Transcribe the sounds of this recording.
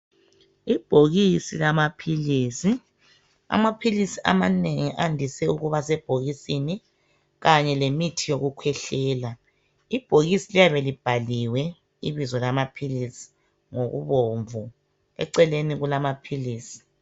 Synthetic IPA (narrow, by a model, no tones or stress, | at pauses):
ib̥ʱoɣisilamapʰiliːsi | a̰mapʰilisiʔa̰maneŋiʔandʱisɛuɣuβasɛb̥ʱoɣisini | ɣaɲɛlemitʰijoɣukʰwɛɬɛːla | ib̥ʱoɣisilijaβelib̥ʱaliwɛ | ḭβizɔlamapʰilisi̥ | ŋoɣṵβoɱvu | ɛ̰ǀɛleniɣulamapʰiliːsi̥